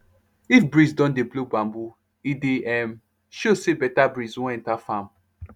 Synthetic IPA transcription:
ifbɹisdɔ̃ndeblobãmbu | ideɛm | ʃosebɛtabɹiswɔ̃ɛ̃ntafãm

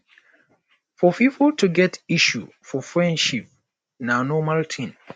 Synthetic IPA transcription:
fɔpifəltuɡɛtiʃu | fɔfɹɛ̃ndʃip̚ | nanɔmaltʰĩn

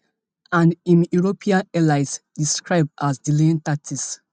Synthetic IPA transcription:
ãnĩnjuɹopʰĩãnɛlaɪsdiskɹaɪb̚dazdilĩntatʰis

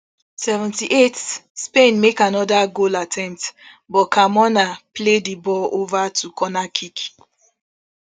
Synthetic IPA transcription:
sɛvɛ̃ntiʔetspẽnmekanɔdaɡolatʰɛ̃mp̚t | bɔkʰamɔnapledibɔlovatʰukʰɔnakʰik

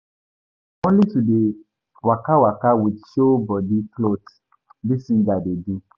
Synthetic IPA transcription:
õnlitude | wakawakawidʃobɔdiklot | disĩndadedi

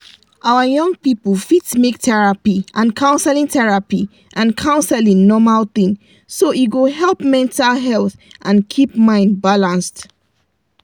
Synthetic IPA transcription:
ʔawəjɔ̃ŋɡpipəlfitsmek̚tʰɛɹapiãnkʰãʊ̃nsɛlĩŋtɛɹapi | ʔãnkʰãʊ̃nsɛlĩŋnɔmalθĩŋ | soʔiɡoɦɛlˠpmɛ̃ntalɦɛlθʔãnkʰipmãɪ̃ndbalãnst

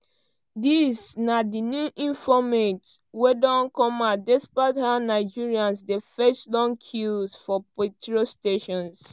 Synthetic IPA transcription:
disnadinjuʔĩɱfɔmetwedɔ̃nkɔ̃madɛspɹathãnːaɪd͡ʒiɹiãnsdefɛslɔ̃nkʰilsfɔpetɹosteʃɔ̃ns

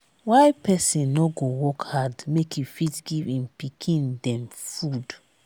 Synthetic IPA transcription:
waɪpʰɛsĩnːɔɡowɔkhadmekjufitɡivĩmpikʰĩndɛ̃mfud

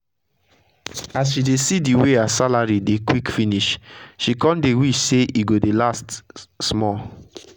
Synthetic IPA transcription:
as̬ʃidesidiweasalaɹidekwikfiniʃʃikɔ̃ndewiʃseʔiɡodelastsmɔ

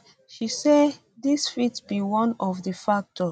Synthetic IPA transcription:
ʃise | disfitsbiwʌ̃nɔvðəfak̚tʰɔ

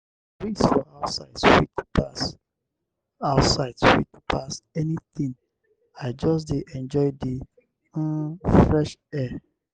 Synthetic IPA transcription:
wisfɔaʊtsaɪdswitpas | aʊsaɪdswḭtpʰasɛnit̪ĩ | aɪd͡ʒɔs̬diʔɛ̃nd͡ʒɔɪdĩ | fɹɛʃɛ

